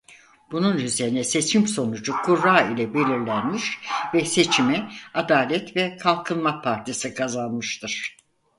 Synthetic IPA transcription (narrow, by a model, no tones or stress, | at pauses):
b̥ununyze̞ɾinɛse̞t͡ʃʰimso̞nud͡ʒukʰuɾːaːilʲɛbe̞lʲiɾlʲænmiʃvɛse̞t͡ʃʰimɛad̪aːlʲɛt̪vɛkʰalˠkʰɯnmapʰaɾt̪ʰisikʰazanmɯʃt̪ʰɯɾ̥